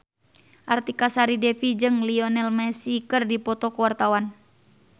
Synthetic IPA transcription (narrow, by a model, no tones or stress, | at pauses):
ʔart̪ikasaɾidɛfid͡ʒɨŋliɔnɛlmɛsikɨrdipɔt̪ɔkəwart̪awan